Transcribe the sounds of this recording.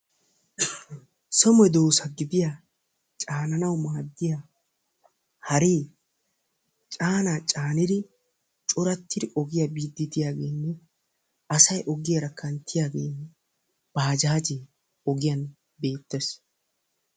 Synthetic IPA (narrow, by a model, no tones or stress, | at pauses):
sɔmɔjd̪o̞ːsɐɡɪd̪ɪja | t͡ʃʼaːnɐnɐwmaːd̪ːɪja | hɐɾiː | t͡ʃʼaːnaːt͡ʃʼaːnɪd̪ɪ | t͡ʃʼʊɾɐt̪ːɪd̪ɪʔɔɡɪjɐbiːd̪ːɪt̪ɪjaːɡe̞ːnːɛ | ɐsɐjʔɔɡɪjɐɾɐkʰːɐnt̪ʰːɪjaːɡe̞ːnːɛ | b̥aːd͡ʒaːd͡ʒe | ɔɡɪjɐn | be̞ːt̪ːɛs